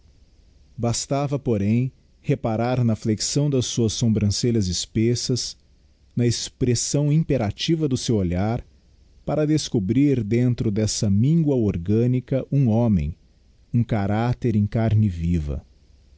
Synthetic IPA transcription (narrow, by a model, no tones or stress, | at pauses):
bast̪avɐpoɾẽj̃ | hepaɾaɾnɐfleksɐ̃w̃d̪ɐsːuɐsːõmbɾɐ̃selɐzɪspesɐs | nɐespɾesɐ̃w̃ĩpeɾat͡ʃivɐd̪ʊsewoʎaɾ | paɾɐd̪eskobɾiɾd̪ẽnt̪ɾʊd̪ɛsɐmĩŋɡwɐoɾɡɐ̃nikɐʔũõmḛ̃j̃ | ũkaɾat̪eɾẽj̃kaɾnɪvivɐ̰